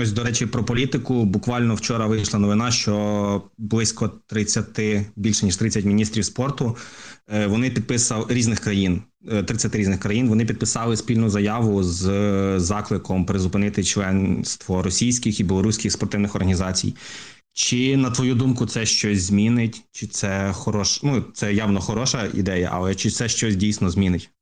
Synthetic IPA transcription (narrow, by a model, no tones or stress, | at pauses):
ɔs̬ʲd̪ɔɾɛt͡ʃipɾɔpɔlʲit̪ɪkʊbʊkʋɑlʲnɔwt͡ʃɔɾɐʋɪjʃlˠɐnɔʋɪnɑʃt͡ʃɔblˠɪsʲkɔt̪ɾɪt͡sʲːɐt̪ɪbʲilʲʃɛnʲiʃt̪ɾɪt͡sʲːɐtʲmʲinʲist̪ɾʲiwspɔrt̪ʊ | ʋɔnɪpʲid̪̚pɪsɐɾʲiznɪxkɾɐjin | t̪ɾɪt͡sʲɐt̪ɪɾʲiznɪxkɾɐjinʋɔnɪpʲid̪̚pɪsɑlˠɪspʲilʲnʊzɐjɑʋʊzzɑklˠɪkɔmpɾɪzʊpɪnɪt̪ɪt͡ʃlˠɛnst̪ʋɔɾɔsʲijsʲkʲɪxibʲɪlˠɔɾusʲkʲɪxspɔrt̪ɪwnɪxɔrɦɐnʲizɑt͡sʲḭj | t͡ʃɪnɐt̪ʋɔjud̪umkʊt̪sɛʃt͡ʃɔsʲzmʲinɪtʲt͡ʃɪt̪sɛxɔɾɔʃnut̪sɛjɑʋnɔxɔɾɔʃɐḭd̪ɛjɐ̰ʔɐ̰lˠɛt͡ʃɪtsɛʃt͡ʃɔsʲdʲijsʲnɔzʲmʲinɪtʲ